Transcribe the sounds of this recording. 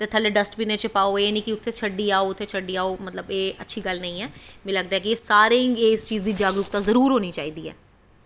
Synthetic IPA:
t̪eːt̪ʰaːleːɖəsʈpiːneːt͡ʃəpaːoːeːnĩːkɪʊt̪ʰːeːt͡ʃʰəɖːiːaːoːʊt̪ʰːeːt͡ʃʰəɖːiːaːoːmət̪ləbeːətːʃʰiːɡəlnəĩːɛːmẽːləɡd̪aːɦɛːkieːsaːɾɪŋɡeːɪst͡ʃiːzd̪iːd͡ʒaːɡɾʊk̚t̪aːzəɾuːɾɦoːniːt͡ʃaːiːd̪iːɛ̰ː

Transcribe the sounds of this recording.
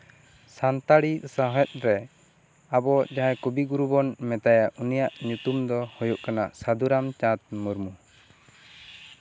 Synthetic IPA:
sant̪aɽisaɦɛt̪̚ˀɾɛ | abɔd͡ʒaɦɛkubiɡuɾubɔnmɛt̪ajaʔunijaʔɲut̪umd̪ɔhɔjuʔkanaʔsad̪uɾamt͡ʃat̪̚muɾmu

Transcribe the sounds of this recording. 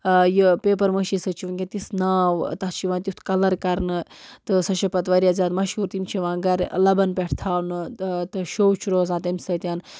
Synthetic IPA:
jɨpeːp̬ɐɾməʃisɐt͡ʃʰiʋunkʲẽt̪isnaːwt̪ɐht͡ʃʰiʋãːt̪ʲut̪ʰkɐlɐɾkɐɾnɨt̪ɨsɐʃɐpɐt̪ʋɐɾʲiaːzʲaːd̪mɐʃhuːɾt̪imt͡ʃʰiʋãːɡɐɾlɐbɐnpeʈʰt̪ʰaːwnɨt̪ɨʃoːwt͡ʃʰuɾoːzãːt̪ɐmʲsɐt̪ʲaːn

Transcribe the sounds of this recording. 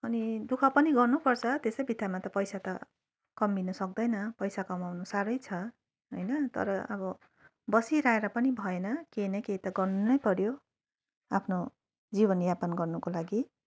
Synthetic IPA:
ʌnid̪ukʰʌpʌniɡʌrnupʌrt͡sʰʌt̪esʌjbʱid̪amat̪ʌpʌjsat̪ʌ | kʌmːinʌsʌk̚d̪ʌjnʌpʌjsakʌmawnusaɾʌjt͡sʰʌ | ɦʌjnʌt̪ʌ̰ɾʌʌ̰bʌ | bʌsiɾaeɾʌpʌnibʱʌenʌkenʌkeit̪ʌɡʌrnunʌjpʌɾjo | apʰno | d͡zibʌnjapanɡʌrnukolaɡi

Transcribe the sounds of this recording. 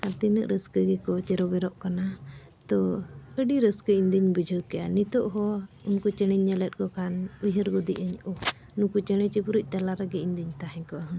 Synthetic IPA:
kat̪inəʔɾəskəɡɛkɔt͡ʃɛɾɔbɛɾɔʔkana | t̪ɔəɖiɾəskəiɲd̪iɲbəd͡ʒʱəwkɛʔa̰nit̪ɔʔɦɔunkut͡ʃənəɲːələt̪̚ˀkɔkanujəɾɡud̪iʔəɲɔ | nukut͡ʃəɽ̃ɛt͡ʃəpuɾuc̚ˀt̪alaɾəɡɛind̪iɲt̪aɦɛ̃ɲkɔʔaɦə

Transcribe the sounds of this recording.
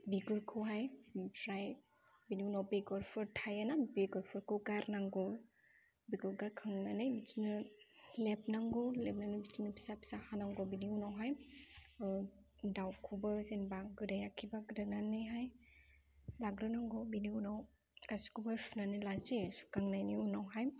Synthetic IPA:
biɡɯɾkʰɯwɦajpʰɾaj | biniwnawbeɡɔɾpʰɔɾtʰajanabeɡɔɾpʰɔɾkʰɯwɡaɾnaŋɡɯw | biɡɯɾɡaɾkʰɯŋnanɯjbitinɯlep̚naŋɡɯwlep̚nanɯbitinɯpʰi̥sapi̥sahanaŋɡɔwbiniunawɦaj | dawkʰubɯzenbaɡɯdajakʰibaɡɯdananɯjɦaj | laɡɾɯnaŋɡɔbiniunaw | kasi̥kubajpʰnanɯlazisu̥kaŋnajniunawɦaj

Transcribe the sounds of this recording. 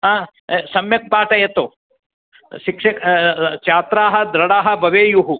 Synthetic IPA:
ɦãː | sɐmjɐk̚paːʈɐjɐt̪o | ʃikʂɐkt͡ʃaːt̪ɾaːɦɐ̆d̪ɾɐɽaːɦɐ̆bʱɐʋeːjuɦu

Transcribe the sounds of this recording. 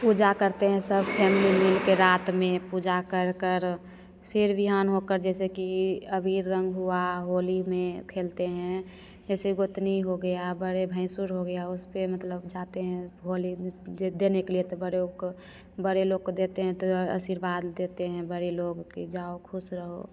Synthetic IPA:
puːd͡ʒakəɾt̪eɦɛ̃səbpʰɛːmɪlimɪlkeɾaːt̪mẽpud͡ʒakəɾkəɾ | pʰɪɾbɪɦaːnɦokəɾd͡ʒɛːsekiəbiɾːə̃ŋɡɦuaɦoːlimẽkʰeːlt̪eɦɛ̃ | d͡ʒɛːseɡoɪt̪niɦoɡəjabəɽebʱə̃ɪ̃suɾɦoɡəjaʊspemət̪ləbd͡ʒaːt̪eɦɛ̃ɦolid̪eːnekeliet̪obəɾeok | bəɽeloɡ̚kod̪eːt̪eɦɛ̃t̪oə̰siɾbaːd̪ːeːt̪eɦɛ̃bəɽeloːɡkid͡ʒaokʰʊsɾəɦo̰

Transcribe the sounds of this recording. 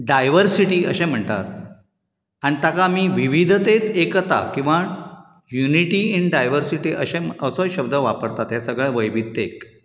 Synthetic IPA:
ɖajʋəɾsiʈiːə̰ɕẽm̤əɳʈ̪a̰ɾ | anit̪akamiːʋiʋid̪ʱət̪et̪ekt̪a̰kĩw̃ʋa | juniʈiinɖajʋəɾsiʈiːʔə̰ɕẽməsɔɕəb̚d̪əʋapəɾt̪at̪jasəɡɭeʋəjʋid̪ek

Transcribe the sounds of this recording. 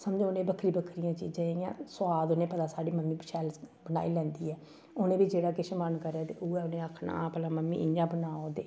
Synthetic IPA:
səmd͡ʒẽːʊnẽːbəkʰɾiːbəkʰɾɪjãːt͡ʃiːd͡ʒãːejã̰ːsʊaːd̪onẽːpət̪aːsaːɽiːməmːiːbəʃɛːlbəna̰ːiːlɛ̃ːnd̪iːɛː | oːnẽːbiːd͡ʒeːɽaːkɪʃmənkəɾaːt̪ḛːʔuːɛːʊnẽːəkʰna̰pəlaːməmːḭːʔɪɲãːbənaːoːd̪eː

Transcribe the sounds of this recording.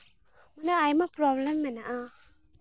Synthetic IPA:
manaajmapɾɔblemːanaʔa

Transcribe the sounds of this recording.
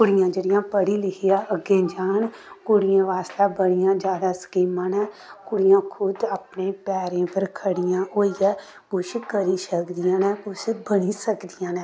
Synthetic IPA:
kʊɽɪjãːd͡ʒeːɽɪjãːpəɽiːlɪkʰijaːʔəɡẽːd͡ʒaːn | kʊɽɪjãːʋaːst̪aːbəɽɪjãːd͡ʒjaːd̪aːskiːmãːnɛ̃ːkʊɽɪjãːkʰʊd̪aːpnẽːpɛːɾẽːpəɾkʰəɽɪjãːoːiɛː | kʊʃkəɾiːsəkd̪ɪjãːnɛ̃ːbʊsbəniːsəkd̪ɪjãːnɛː

